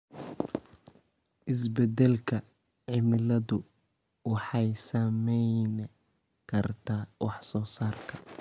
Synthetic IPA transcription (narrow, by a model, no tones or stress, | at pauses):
ʔɪsbɛd̪ɛlkʰɐ | ʕɪmɪlɐðʊ | wɑħɑjsɐmɛjn | kʰɐrt̪ʰaːwʔɑħsɔːsaːrkʰɐ